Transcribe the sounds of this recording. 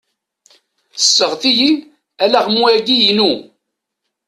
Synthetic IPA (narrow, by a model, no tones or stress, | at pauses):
θə̥sːəʁθiji | ælæʁmuæɡijinu